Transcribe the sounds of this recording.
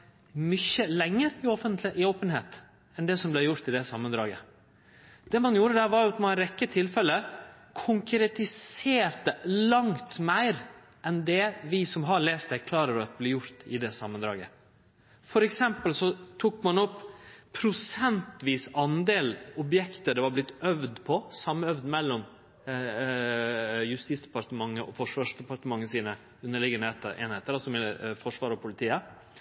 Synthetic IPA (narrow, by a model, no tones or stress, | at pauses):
mʏçəlɛŋːəɾɪɔfənt̪lʔɪoːpənhḛːt̪ | ɛnd̪ɛsɔmblɛjʊɾt̪ɪd̪ɛsɑmːənd̪ɾɑ̰ːɡə | d̪̥ɛmɑnjuːɾəd̪æɾʋɑɾjʊɑt̪mɑnɾɛkːət̪ʰɪlfɛlə | kʰʊŋkɾɛt̪ɪseːɾt̪əlɑŋt̪mæɪɾ | ʔɛnd̪ɛʋɪsɔmɦɑɭeːst̪ɛɾkʰlɑːɾəɾɑt̪əblɪjʊɾt̪ɪ̰d̪ɛsɑ̰mːənd̪ɾɑ̰ːɡə̰ | fɔɾɛksɛmpəlsɔt̪ʰuːkmɑnɔpːpʰɾʊsɛnt̪ʋiːsɑnd̪eːlɔbjɛkt̪əɖ̪ɛʋɑblɪt̪ːœʋd̪pʰɔsɑmːœʋd̪mɛlːɔm | jʉst̪iːsd̪ɛpɑɾt̪əmɑŋːəʔɔ̰fɔʂʋɑːʂd̪ɛpɑɾt̪əmɑŋːəsiːnə | ʉnːəɭɪɡənet̪əʔḛːnheːt̪əɾɑsɔmɛlfɔʂʋɑːɾɔpʰʊlɪt̪ʰiːə